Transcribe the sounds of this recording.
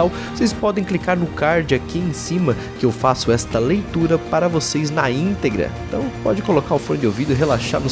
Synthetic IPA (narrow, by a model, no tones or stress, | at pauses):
awvosejspɔd̪ẽj̃klikaɾnʊkaɾd͡ʒɪakiẽj̃sĩmɐ | kɪewfasʊɛst̪ɐlejt̪uɾɐpaɾɐvosejznɐĩnt̪eɡɾɐ̰ẽnt̪ɐ̃w̃pɔd͡ʒɪkolokaɾʊfõnʊd͡ʒ̪ɪowvid̪ʊɪɦelaʃa̰ɾmʊ